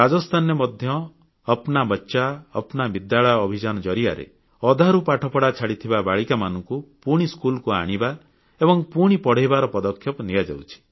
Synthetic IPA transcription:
ɾad͡ʒɔst̪ʰanemɔd̪ʱjɔː | pnabɔtːʃaɔ̰pnabid̪jaɭɔjɔːbʱid͡ʒanɔd͡ʒɔɾiaɾḛ | ɔd̪ʱaɾupaʈʰɔpɔɽat͡ʃʰaɽit̪ʰibabaɭikamanɔŋkupuɽ̃iskulkua̰ɽ̃iba | ebɔŋpuɽ̃ipɔɽ̤ejbaɾɔpɔd̪ɔkʰjɔpɔnijad͡ʒa̰wt͡ʃʰi̥

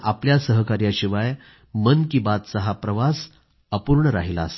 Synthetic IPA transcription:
ʔapljasəɦəkaɾjaɕiʋaj | mənkiːbat̪səɦapɾəʋas | əpuɾɳəɾa̰ɦila̰ːst̪

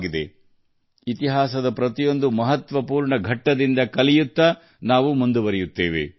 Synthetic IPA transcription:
ɡid̪e̞ | it̪iɦaːsɐd̪ɐpɾɐt̪ijo̞nd̪umɐɦɐt̪ʋɐpuːɾɳɐɡʱɐʈːɐd̪ind̪ɐkɐlijut̪ːɐ | naːʋumund̪uʋɐɾɛjut̪ːe̞ːʋḛ

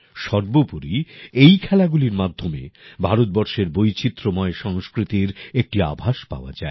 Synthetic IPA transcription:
ʃɔɾbopuɾiejkʰɛlaɡuliɾmad̪ʱːomḛbʱaɾot̪̚bɔɾʃeɾbojt͡ɕit̪ːɾomɔeʃɔŋskɾit̪iɾek̚ʈia̰bʱaʃpa̰oa̰d͡ʑae

